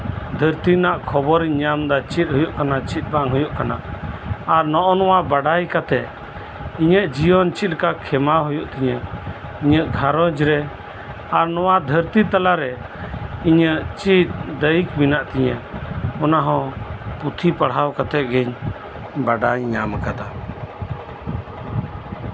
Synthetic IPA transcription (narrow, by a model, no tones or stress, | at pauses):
d̪ʱəɾt̪inaʔkʰɔbɔɾiɲamd̪at͡ʃit̪̚ˀɦujuʔkanat͡ʃit̪̚baŋɦɔjuʔkana̰ʔaɾnɔʔɔnɔwabaɖajkat̪ɛʔ | iɲəʔd͡ʒijɔnt͡ʃit̪̚kakʰɛmaɦujuʔt̪ɛɲɛiɲəʔɡʱaɾɔ̃d͡ʒɾɛ | aɾnɔwad̪ʱəɾt̪it̪alaɾɛ | iɲəʔt͡ʃit̪̚d̪əjikminaʔt̪ɛɲɛɔnaɦɔ̃put̪ʰipaɽawkat̪ɛʔ̪̚ɡɛɲ | baɖajːaməkad̪a